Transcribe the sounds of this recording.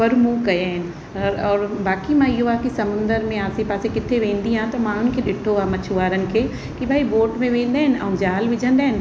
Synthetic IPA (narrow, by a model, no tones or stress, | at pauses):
pɐɾmũkɐjaːɦɪnɪ̆ | ɾɔːɾbaːkimãɪɦoaːkisɐmʊ̃nd̪əɾmẽaːsepaːsekɪt̪ʰeʋẽːnd̪iɦãt̪ɐmãːn̤ʊn̆kʰeɗɪʈʰoaːmɐt͡ʃʰuʋaːɾənɪ̆kʰeː | kibʱaːiboːʈmẽʋẽːn̆d̪aːɦɪnɐ̰ũd͡ʒaːlʋɪd͡ʒʱə̃nd̪aːɦɪnɪ̆